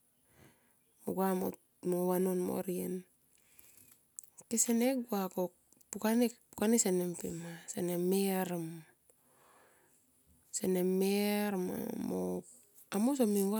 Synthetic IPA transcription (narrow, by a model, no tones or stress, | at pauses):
moɡuamo̰ | mowanonmo̰ɾien | keseneɡuako | pukanepukanisenempḭmasenemeɾam | senemeɾma̰mo̰ | amos̬omiwa